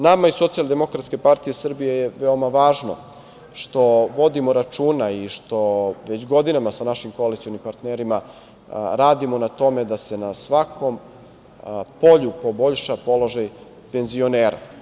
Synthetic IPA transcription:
namaiso̞t̪siald̪e̞mo̞kɾat̪ske̞paɾt̪ije̞sr̩bijejeʋeo̞maʋaːʒno̞̰ | ʃt̪o̞ʋo̞d̪imo̞ɾat͡ʃuːnaiʃt̪o̞ʋe̞t͡ɕɡo̞d̪inamasanaʃimko̞alit̪sionimpaɾt̪neɾima | ɾaːd̪imo̞nat̪o̞me̞d̪ase̞nasʋakʰo̞m | po̞ʎupo̞bo̞ʎʃapo̞lo̞ʒaj | pe̞nzio̞neːɾa̰

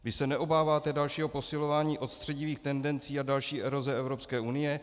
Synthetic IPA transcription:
vɪsɛnɛʔo̞baːvaːt̪ɛdalʃiːɦo̞po̞sɪlo̞vaːɲiːʔo̞t̪st̪r̥ɛɟiviːxt̪ɛndɛnt͡siːadalʃiːʔɛɾo̞zɛɛvɾo̞pskɛːʔunɪjɛ

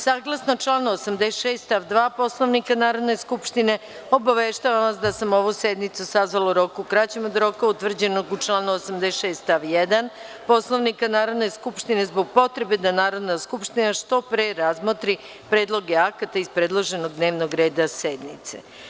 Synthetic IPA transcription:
saːɡlˠasnot͡ʃlˠaːnosamd̪eʃeːst̪t̪aʋd̪ʋaːpo̞slo̞ʋnikanaːɾo̞d̪ne̞skupʃt̪ine̞ | o̞baʋeʃt̪aʋamʋasd̪asamo̞ʋused̪nit̪susazʋaloɾo̞kukɾat͡ɕemo̞d̪ɾo̞kaut̪ʋr̩d͡ʑe̞no̞ɡut͡ʃlˠaːnuosamd̪eʃeːst̪t̪aʋjed̪an | po̞sloʋnikanaːɾo̞d̪ne̞skupʃt̪ine̞zbo̞ɡ̚po̞t̪ɾe̞be̞d̪anaːɾo̞d̪naskupʃt̪inaʃt̪o̞pɾeɾazmot̪ɾi | pɾed̪lˠo̞ɡeakat̪aispɾed̪lˠoʒe̞no̞ɡ̚d̪ne̞ːʋno̞ɡɾe̞ːd̪ased̪nḭt̪sḛ

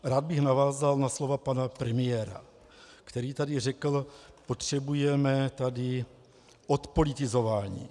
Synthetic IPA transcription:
ɾaːd̪̚bɪxnavaːzalnaslo̞vapanapɾɛmɪjɛːɾa̰ | kt̪ɛɾiːt̪adɪrɛkl̩po̞t̪r̝̥ɛbujɛmɛt̪adɪ | ʔo̞t̪po̞lɪt̪ɪzo̞vaːɲḭː

